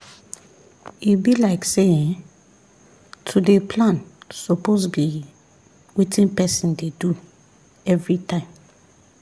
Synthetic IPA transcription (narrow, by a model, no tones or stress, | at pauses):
ibilaɪksẽ | tʰudepʰlãnsopʰosɡe | witʰĩnpɛsĩndedu | ɛvɹitʰãɪ̃m